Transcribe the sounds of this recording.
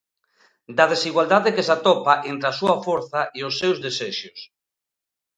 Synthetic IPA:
d̪ɐðesiɣwald̪aðekesat̪ɔpaʔent̪ɾeasuɐfoɾθaʔiʊsːewzðeseʃʊs

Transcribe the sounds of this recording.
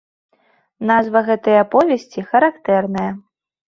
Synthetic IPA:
nazvɐɣɛt̪ɐjɐapɔvʲɛsʲt͡sʲixɐɾakt̪ɛrnɐjɐ

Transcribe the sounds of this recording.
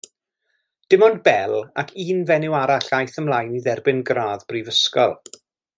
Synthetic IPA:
d̥ɪmɔndbɛlˠa̰kʰiːnvɛnɪwaɾaɬajθəmlˠajniðɛrbɪnɡraːðb̥rivəskɔ̰lˠ

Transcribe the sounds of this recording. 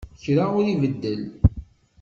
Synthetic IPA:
çɾaʊɾivəd̪ːəl

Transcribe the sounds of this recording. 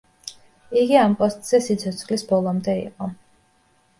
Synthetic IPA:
iɡiampʼɔst̪ʼz̥ɛsit̪sʰɔt̪sʰχlisbɔlˠɔmd̪ɛḭqʼɔ

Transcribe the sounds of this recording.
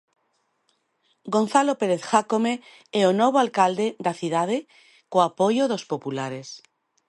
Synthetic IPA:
ɡo̞nθalopeɾeθxakome | eonoβalkald̪ed̪aθiðað̞e | koapojoðospopulaɾes

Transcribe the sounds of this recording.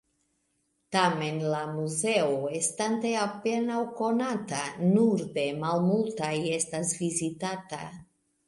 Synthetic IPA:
tame̞nlamuze̞oe̞stante̞ape̞nawko̞natanuɾde̞malmultaje̞stasvizitata̰

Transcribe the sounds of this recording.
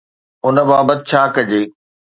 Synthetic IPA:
ʊnə̆baːbət̪ɪ̆t͡ɕʰaːkɐd͡ʑeː

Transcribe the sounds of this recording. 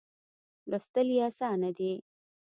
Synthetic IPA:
lost̪ɐlijasanɐd̪i

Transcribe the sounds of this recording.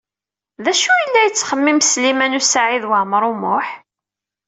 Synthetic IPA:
ðæʃujəlːæjət͡sːχəmːimslimænusaʕiðwəʕmɾˤʊmʊħ

